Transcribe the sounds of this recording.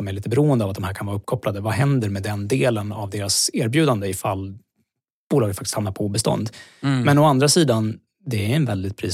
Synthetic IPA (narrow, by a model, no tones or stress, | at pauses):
ɔmæɾɭiːt̪əbɛɾuːənd̪əavat̪̚d̪ɔmhæːɾkʰanvɑːɾɵpːkʰɔplad̪əvaɦɛnd̪əɾmɛd̪ɛnd̪eːlənavd̪eːɾaseːɾbjʉ̟ːd̪and̪əɪfalː | b̥uːlɑːɡət̪fakt̪ɪ̥st̪hamnaɾpʰɔbɛst̪ɔ̰nd̪mɛnɔand̪ɾasiːd̪an | d̪ɛæɾɛnvɛld̪ɪt̪̚pʰɾḭː